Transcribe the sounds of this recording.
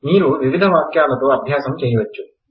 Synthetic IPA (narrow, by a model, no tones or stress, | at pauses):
niːɾuʋiʋid̪ʱɐʋaːkjaːlɐt̪oːɐbʱjaːsɐmt͡ʃeːjiʋɐt͡ʃːu